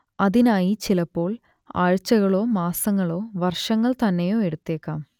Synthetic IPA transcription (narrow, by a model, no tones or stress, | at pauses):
ɐðinaːjit͡ɕilɐpːo̞ːɭ | a̰ːɻt͡ɕːɐɣɐɭo̞ːmaːsɐŋːɐɭo̞ːʋɐrʂɐŋːɐɭt̪ɐnːejo̞ːe̞ɽut̪ːeːkːaːm